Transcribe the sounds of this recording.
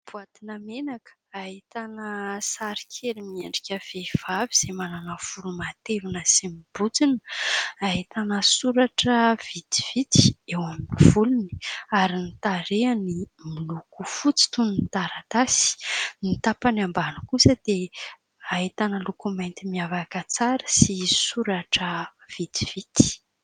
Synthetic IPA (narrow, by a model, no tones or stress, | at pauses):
b̥uat̪inamenakə̥aɦit̪anəsaɾi̥kʰelimieɳɖ͡ʐikʲəv̥ev̥aviz̥emananəv̥ulumat̪evinəzimibut͡sinə̥aɦit̪anəsuɾaʈ͡ʂəv̥it̪i̥v̥it̪i̥ewaminiv̥uluni̥aɾinit̪aɾeani | milukufut͡si̥t̪unnt̪aɾat̪asi̥nit̪apanambanəkusəd̪e | aɦit̪anəlukumajnt̪imiavakət͡saɾə̥sisuɾaʈ͡ʂə | v̥it̪i̥v̥it̪i̥